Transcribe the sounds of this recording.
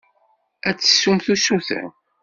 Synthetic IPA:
æt͡sːə̥sumθusuθə̰n

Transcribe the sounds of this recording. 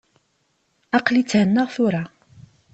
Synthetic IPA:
ɑqlit͡sːʕənːəʁθʊɾa

